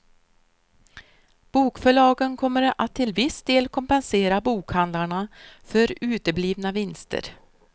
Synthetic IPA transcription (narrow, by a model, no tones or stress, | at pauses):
b̥uːkfœɭɑːɡənkʰɔmːəɾat̪ʰːɪlvɪsd̪eːlkʰɔmpɛnseːɾabuːkhand̪laɳafœɾʉ̟ːt̪əbliːvnavɪnst̪ʰə̰ɾ